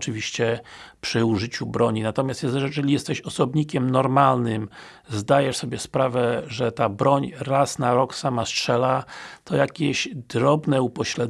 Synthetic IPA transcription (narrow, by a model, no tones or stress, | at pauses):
t͡ʂɨvʲiɕt͡ɕɛpʂɘuʐɘt͡ɕubɾɔɲinat̪ɔmʲjast̪jɛzɛʐɛɛlʲijɛst̪ɛɕɔsɔbɲikʲɛmnɔɾmalnɘm | zd̪ajɛʂsɔbʲjɛspɾavɛʐɛt̪abɾɔɲɾasnaɾɔksamastʂɛlat̪ɔjakʲɛɕd̪ɾɔbnɛupɔɕlɛd̪